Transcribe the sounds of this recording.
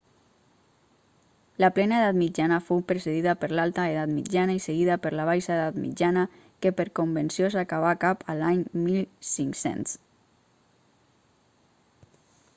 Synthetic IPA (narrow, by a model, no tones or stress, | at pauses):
ləplɛnaeðat̪mid͡ʒanəfowpɾeseðiðəpəɾlalˠt̪aeðat̪mid͡ʒanaiseɣiðəpəɾlaβajsaeðat̪mḭd͡ʒanə | kepəɾkombənsiosakaβakapʰəlaɲmilˠsiŋksḛns